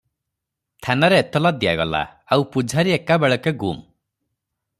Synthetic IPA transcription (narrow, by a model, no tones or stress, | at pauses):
t̪ʰanaɾeːt̪ɔlad̪ija̰ɡɔla̰awpud͡ʒʱaɾiekabeɭɔkeɡṵm